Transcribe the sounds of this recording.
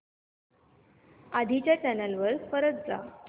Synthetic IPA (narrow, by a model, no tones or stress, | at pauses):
ad̪ʱit͡ɕjat͡ɕænəlʋəɾfəɾət͡sd͡za